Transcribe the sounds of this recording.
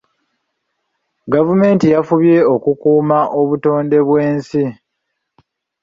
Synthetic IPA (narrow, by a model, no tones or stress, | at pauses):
ɡavume̞ːntijafuβje̞okukuːmaʔo̞βuto̞ːnde̞βwe̞ːnsi